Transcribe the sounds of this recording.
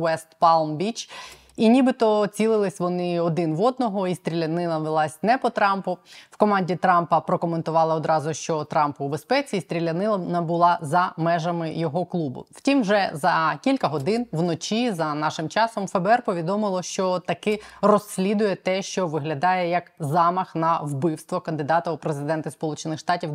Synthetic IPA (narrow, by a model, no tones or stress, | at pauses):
wɛst̪pɑlˠmbʲit͡ʃ | inʲibɪt̪ɔt͡sʲilˠɪlˠɪsʲʋɔnɪɔd̪ɪnʋɔd̪̚nɔɦɔist̪ʲɾʲilʲɐnɪlˠɐʋɪlˠɑsʲnɛpɔt̪ɾɑmpʊwkɔmɑnʲdʲit̪ɾɑmpɐpɾɔkɔment̪ʊʋɑlˠɐɔd̪ɾɑzʊʃt͡ʃɔt̪ɾɑmpʊbespɛt͡sʲiːst̪ʲɾʲilʲɐnɪlˠɐnɐbʊlˠɑzɐmɛʒɐmɪjɔɦɔklˠubʊ̰w̥tʲimwʒɛzɐkʲilʲkɐɦɔd̪ɪnʋnɔt͡ʃʲizɐnɑʃɪmt͡ʃɑsɔmfɛbɛɛrpɔʋʲid̪ɔmɪlˠɔʃt͡ʃɔt̪ɐkɛrɔsʲːlʲid̪ʊjɛt̪ɛʃt͡ʃɔʋɪɦlʲɐd̪ɑjɛjɐkzɑmɐxnɐwbɪwst̪ʋɔkɐnd̪ɪd̪ɑt̪ɐʊpɾezɪd̪ɛnt̪ɪspɔlˠut͡ʃenɪxʂt̪ɑtʲiw